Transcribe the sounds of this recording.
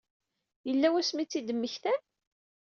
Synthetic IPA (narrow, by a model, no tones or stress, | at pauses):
jəlːæwæsmit͡sːid̪əmːəçθæn